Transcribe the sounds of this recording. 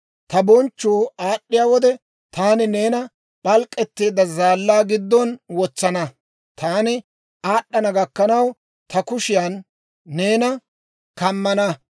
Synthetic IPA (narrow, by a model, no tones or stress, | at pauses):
t̪ɐbɔnt͡ʃːuːaːɗːɪjaːwɔd̪ɛ | t̪aːnɪne̞ːnɐ | ɓɐlkʼːɛt̪ːeːd̪ɐzaːlːaːɡɪd̪ːɔnwɔt͡sːɐnɐ | t̪aːnɪ | aːɗːɐnɐɡɐkːɐnɐw | t̪ɐkʊʃɪjanː | e̞ːnɐ | kɐmːɐnɐ